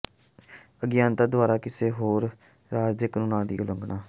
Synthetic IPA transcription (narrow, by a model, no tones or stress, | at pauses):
əɡɪjãːnt̪ad̪ʋaːɾaːkɪseːɦoːɾ | ɾaːd͡ʒd͡ʒəkənũːnãːd̪ḭːʊləŋɡɳaː